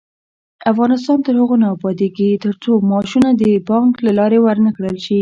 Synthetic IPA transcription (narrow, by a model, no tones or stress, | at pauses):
afɣɑnɪst̪ɑnt̪əɾhəɣonɑbɑd̪eɡit̪əɾt͡somɑʃunad̪əbɑŋklalɑɾewəɾnakɽəlʃi